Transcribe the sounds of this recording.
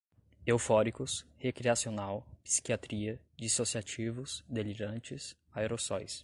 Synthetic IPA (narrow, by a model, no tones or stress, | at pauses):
ewfɔɾikʊshekɾiasionawpi̥si̥kiat̪ɾiɐ | d͡ʒisosiat͡ʃivʊsd̪eliɾɐ̃nt͡ʃɪs | aeɾosɔjs